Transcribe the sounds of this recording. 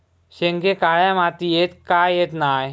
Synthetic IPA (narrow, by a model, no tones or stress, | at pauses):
ʃeŋɡekaːɭjamaːt̪iet̪kaːjeːt̪naːj